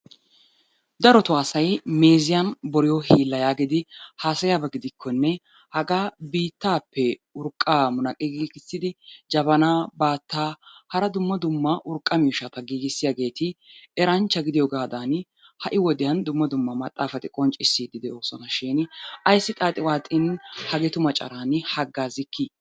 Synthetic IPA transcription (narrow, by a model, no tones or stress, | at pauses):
d̪ɐɾɔt̪ʊaːsɐjme̞ːzɪjanbɔɾɪjɔɦiːlːɐjaːɡɪd̪ɪhaːsɐjaːbɐɡɪd̪ɪkʰːɔnːɛ | hɐɡaːbiːt̪ːaːpːɛʊɾkʼːaːmʊnɐkʼɪɡiːɡɪsːɪd̪ɪd͡ʒɐbɐnaːbaːt̪ːaːhɐɾɐd̪ʊmːɐd̪ʊmːɐʔʊɾkʼːɐmiːʃɐt̪ɐɡiːɡɪsːɪjaɡe̞ːt̪ɪɛɾɐnt͡ʃːɐɡɪd̪ɪjɔɡaːd̪an | hɐʔɪwɔd̪ɪjɐnd̪ʊmːɐd̪ʊmːɐmɐt̪ʼːaːfɐt̪ɪkʼɔnt͡ʃʼɪsːiːd̪ɪd̪ɛoːsɔnɐʃɪːnʔɐjsːɪt̪ʼaːt̪ʼɪwaːt̪ʼːɪnhɐɡɛt̪ʊmɐt͡ʃʼɐ̰ɾaːnhɐɡːaːzɪkːɪ